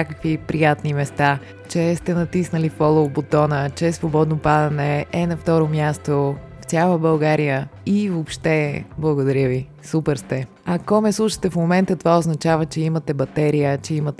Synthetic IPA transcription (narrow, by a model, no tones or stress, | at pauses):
akəkvipɾijat̪nimɛst̪a | t͡ʃɛst̪ɛnɐt̪isnəlifɔlˠobot̪ɔnət͡ʃɛsvobɔd̪nopad̪ɐnɛɛnɐft̪ɔɾomjast̪o | ft̪ʲalˠəbɐlˠɡaɾijəivopʃt̪ɛblˠɐɡod̪ɐɾʲəvi | supɛɾst̪ɛ | ɐkɔmɛslˠuʃə̥t̪ɛfmomɛnt̪ət̪ovaoznɐt͡ʃavət͡ʃɛimɐt̪ɛbɐt̪ɛɾijət͡ʃɛimət̪ɛ